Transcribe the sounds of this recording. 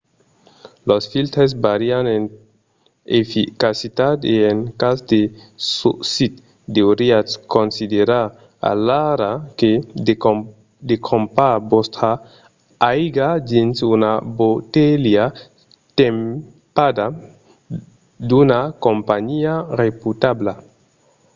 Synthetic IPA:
losfilt̪ɾes̬baɾianen | efikasit̪at̪eenkasd̪esusit̪ | d̪eoɾiaskonsid̪eɾa | a̰laɾake | d̪ekʰompabɔst̪ɾa | ajɡad͡ʒinsunabot̪elia | t̪em | pad̪a | d̪unakompaɲiareput̪abla

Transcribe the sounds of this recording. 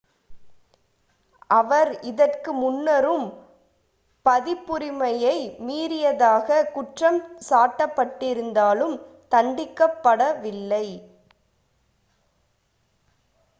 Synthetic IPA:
ʔɐʋɐɾɪðɐrkɯmʊnːɐɾɯm | pɐðɪpːʊɾɪmɐjɐɪmiːɾɪjɐðaːɣɐkʊʈrɐmsaːʈːɐpːɐʈːɪɾɯnd̪aːlɯm | t̪ɐɳɖɪkːɐpːɐɽɐʋɪlːɐɪ

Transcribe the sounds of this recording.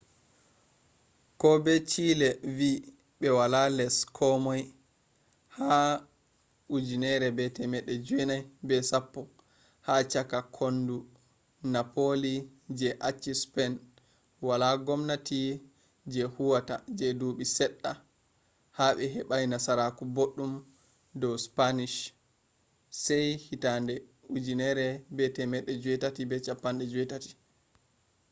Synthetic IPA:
kɔbɛt͡ʃilɛvi | ɓɛwalalɛskʰɔmɔj | ha | ud͡ʒinɛɾɛbɛtɛmɛɗːɛd͡ʒɛnajbɛsapːɔ | hat͡ʃakakʰondu | napoli | d͡ʒɛʔat͡ʃːispɛn | walaɡɔmnati | d͡ʒɛhuwatad͡ʒɛduɓisɛɗːa | haɓɛɦɛɓajnasaɾakuboɗːum | dɔwspaniʃ | sɛjhitandɛ | ud͡ʒinɛɾɛbɛtɛmɛɗːɛd͡ʒuwɛtatibɛt͡ʃapːanɗɛd͡ʒuwɛtati̥

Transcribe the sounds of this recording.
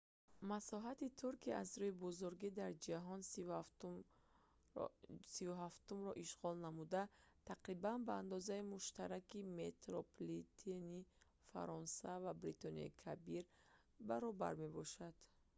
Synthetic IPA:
masɔɦat̪it̪ʰuɾkʰiʔazɾuibɔzuɾɡid̪aɾd͡ʒaɦɔn | sivuɦaft̪umɾɔʔiʃʁɔlnamud̪at̪ʰaqɾibanbaːnd̪ɔzaimuʃt̪aɾakimet̪ɾoplit̪ʰeni | fa̰ɾɔnsavabɾit̪ɔniɔ̰ikʰabiɾ | baɾɔba̰ɾme̞bɔʃad̪̥

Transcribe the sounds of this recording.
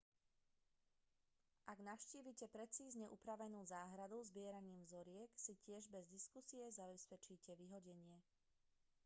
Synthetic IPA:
ʔaɡnaʊʃciːʋicɛpɾɛt͡siːzɲɛʔupɾaʋɛnuːzaːɦɾad̪uzbɪɛɾaɲiːmvzɔɾɪɛksicɪɛʒbɛzd̪iskusijɛzabɛspɛt͡ʃiːcɛʋiɦɔɟɛɲɪɛ

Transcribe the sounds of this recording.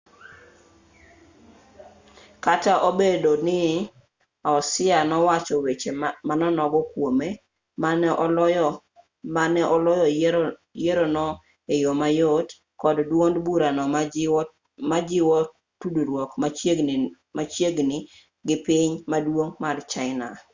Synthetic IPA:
kataʔobedonɪ | ɔsɪanɔwat͡ʃɔwet͡ʃemanɔnɔɡɔkwome | manɛʔɔlj | manɛʔɔlɔjɔjeɾonɔ | ejomajot | kɔddwondbuɾanɔ | mad͡ʒɪwɔ | tuduɾwɔkma | mat͡ʃjeɡnɪ | ɡɪpiɲmadwoŋmart͡ʃaɪna̰

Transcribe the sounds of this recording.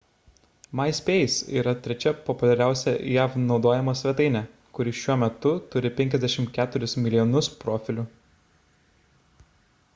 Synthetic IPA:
mɐɪsʲpʲeːjɪsḭːɾɐt̪ʲɾʲɛt͡ʃʲɛpɔpʊlʲɛɾʲæˑʊsʲɛjæːfnɒʊd̪oːjɛmɐsʲʋʲɛt̪ɐɪnʲɛ | kʊɾʲɪʃʲuɔmʲɛt̪ʊt̪ʊɾʲɪpʲɛŋʲkʲɛzʲd̪ʲæɛʃʲɪmkʲæːt̪ʊɾʲʊsmʲɪlʲɪjɔnʊspɾoːfʲɪlʲʊ

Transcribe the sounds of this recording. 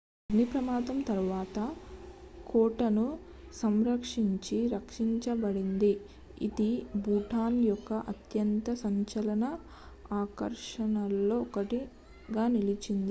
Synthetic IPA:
ɐɡnipɾɐmaːd̪ɐmt̪ɐɾuʋaːt̪ɐ | kɔːʈɐnu | sɐmɾɐkʂiɲt͡ʃiɾɐkʂiɲt͡ʃɐbɐɽind̪i | ḭd̪ibuːʈʰaːnjɔkːɐʔɐt̪jɐnt̪ɐsɐɲt͡ʃɐlɐnɐ | aːkɐ̰ɾʂɐnɐlːo̞ːɔkɐʈi | ɡaːnilit͡ʃind̪i

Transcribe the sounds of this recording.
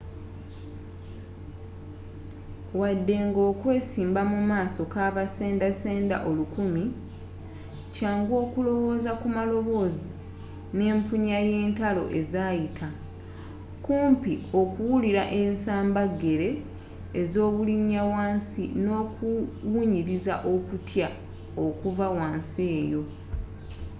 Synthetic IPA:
wadːe̞ŋɡoːkwe̞ːsiːmbamumaːso̞kaβase̞ːndase̞ːnda̰ʔo̞lukumi | caːŋɡwo̞ːkulo̞wo̞ːzakumalo̞βo̞ːzi | ne̞ːmpuɲaje̞ːntalo̞̰ʔe̞zaːjitʰa | kuːmpio̞kuwuliɾaʔe̞nsaːmbaɡe̞ɾe̞ː | zo̞ːβuliɲːawaːnsḭno̞ːkuwuɲiɾiza̰ʔo̞kutja | okuvawaːnse̞ːjo̞

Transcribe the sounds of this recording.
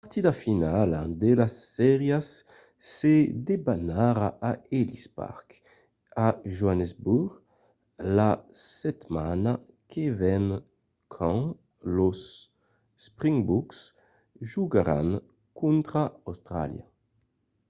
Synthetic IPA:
paʁt̪id̪afinalad̪elasːɛʁjasː | ed̪ebanaɾaʔaelispa̰ʁk | aʒuanezbuɡ | lasɛt̪mana | kʰevɛn | kʰɑ̃ | losː | pʁiŋbuks | ʒuɡaɾa̰n | kunt̪ɾaawst̪ɾa̰lja̰

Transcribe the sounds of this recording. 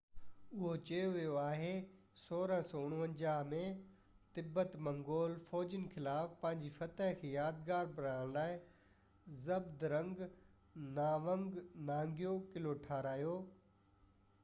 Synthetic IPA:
ʊɦot͡ɕɐjoʋijoaːɦe | soːɾəɦsɔːʊɽ̃ʋə̃ɲd͡ʑaːɦmẽ | t̪ɪbːət̪mɐ̃ŋɡoːlfɔːd͡ʑɪnxɪlaːfpɐ̃ɦɪ̃ɲd͡ʑifɐt̪əɦkʰeːjaːd̪ɡaːɾbɐɾaːɽ̃laːɪ | zɐbd̪ɾɐ̃ŋɡ | naːʋə̃ŋɡnãːŋɡijokɪloʈʰaːɾaːjoː

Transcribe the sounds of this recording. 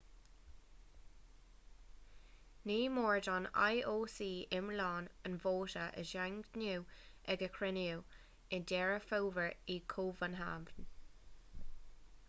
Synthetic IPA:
niːmoːɹdɔna̰jʔoːsiːɪmlɑːnənvoːtəʔə̰ʃaŋnuːʔɛɡəkʰɹɪniu | ɪndɛːɹəfowvəɹiːkʰoːvənɦa̰ːvən

